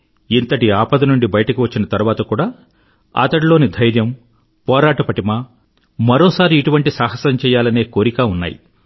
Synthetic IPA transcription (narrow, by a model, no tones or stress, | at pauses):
int̪ɐʈiaːpɐd̪ɐnuɳɖibɐjɐʈɐkiʋɐt͡ʃːinɐt̪ɐɾuʋaːt̪ɐkuːɽaː | a̰ːt̪ɐɽilo̞ːnid̪ʱɐjɾjɐm | pɔːɾaːʈɐpɐʈimaː | mɐɾoːsaːɾiːʈuʋɐɳʈisaːɦɐsɐmt͡ʃɛːjaːlɐne̞ːko̞ːɾikaːunːa̰ːjḭ